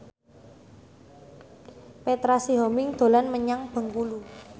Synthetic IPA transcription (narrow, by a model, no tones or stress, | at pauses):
pet̪ɾasiɦɔmɪŋd̪̥o̤lanməɲaŋb̥ə̤ŋkulu